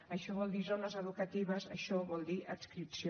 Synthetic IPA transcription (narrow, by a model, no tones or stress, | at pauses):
əʃɔβɔlˠd̪izonəzəðukət̪iβ̞əzəʃɔβɔlˠd̪iʔəkskɾipsi